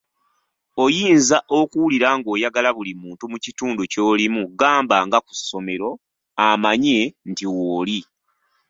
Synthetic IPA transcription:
o̞jiːnzaʔo̞kuwuliɾaŋɡo̞ːjaɡalaβulimuːntumucituːnduco̞ːlimuɡaːmbaŋɡaku̥sːo̞me̞ɾo̞ | amaɲe̞ntiwoːli

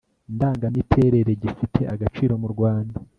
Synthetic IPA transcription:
ndaːŋɡanitʰe̞ːɾe̞ɾe̞ɟifitʰe̞ʔaɡat͡ʃiːɾo̞muɾɡwaːnda

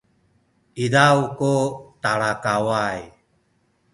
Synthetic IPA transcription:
iɾawkot̪aɭakawaj

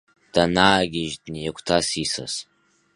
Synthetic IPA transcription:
d̥anaːɡʲɪʒdnijakʷʰʼtʰasisa̰s

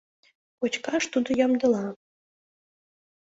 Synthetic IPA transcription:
kot͡ɕkɑʃt̪ud̪ŏjɑmd̪ɤ̆lˠɑ

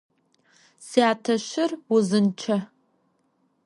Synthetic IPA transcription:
siaːtʰaʃʷɪruzɨnt͡ʃʰa

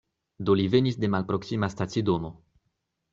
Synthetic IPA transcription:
d̪o̞live̞nisde̞malpɾo̞ksimastasidono̞

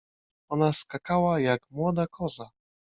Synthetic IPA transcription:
ɔnaskakawajakmwɔd̪akʰɔza

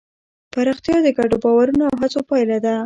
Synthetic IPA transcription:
paɾɑxt̪jɑd̪əɡaɖobɑwaɾunoawɦat͡sopɑjlad̪a

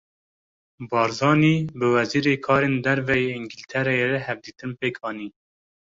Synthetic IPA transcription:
bɑːɾzɑːniːbɨwɛziːɾeːkʰɑːɾeːnd̪ɛɾvɛjeiŋɡilt̪ʰɛɾɛjeɾɛhɛvd̪iːt̪ɨnpeːkʰɑːniː

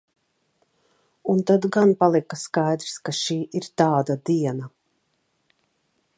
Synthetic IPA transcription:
unt̪ad̪ɡanpalˠikaskajd̪ɾskaʃiːʔiɾt̪aːd̪ad̪iɛna

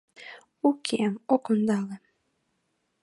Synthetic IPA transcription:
ukʰemokond̪ɑle

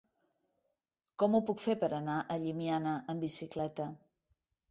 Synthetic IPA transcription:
kɔmupukfepəɾənaʔəʎimianəʔəmbisiklɛt̪ə

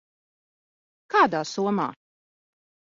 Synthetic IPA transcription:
kaːd̪aːsuɔma̰ː

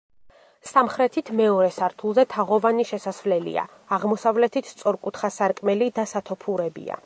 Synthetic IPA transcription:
samχɾɛt̪ʰit̪ʰmɛɔɾɛsaɾt̪ʰulˠzɛt̪ʰaʁɔvaniʃɛsasvlɛlḭa̰ːʁmɔsavlɛt̪ʰit̪ʰst̪sʼɔɾkʼut̪ʰχasaɾkʼmɛlid̪asat̪ʰɔpʰuɾɛbḭa̰

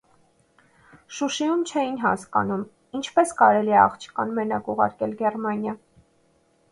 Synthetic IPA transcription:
ʃuʃijumt͡ʃʰɛjinɦɑ̰skɑ̰num | int͡ʃʰpɛskɑɾɛliɛɑ̰χt͡ʃʰə̥kɑnmɛnɑkuʁɑ̰ɾkɛlɡɛrmɑnjɑ

